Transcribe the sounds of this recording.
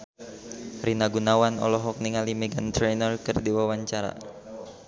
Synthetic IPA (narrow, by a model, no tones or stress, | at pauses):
rinaɡunawanɔ̰lɔɦɔk̚niŋalimɛɡant̪ɾɛnərkɨrdiwawaɲt͡ʃaɾa̰